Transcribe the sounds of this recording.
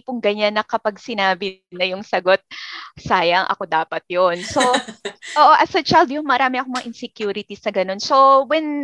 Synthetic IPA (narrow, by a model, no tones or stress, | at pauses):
pʊŋɡɐɲanːɐkɐpɐɡsɪnaːbɪnɐjʊŋsɐɡo̞t̪̚saːjɐŋʔɐ̰ko̞d̪aːpɐt̪̚jonso̞ʔoːʔoʔɐsɐt͡ʃald̪jomɐɾaːmɪʔɐkomɐŋaʔɪnsɛkjuːɾɪt̪isnɐɡɐno̞nso̞wɛn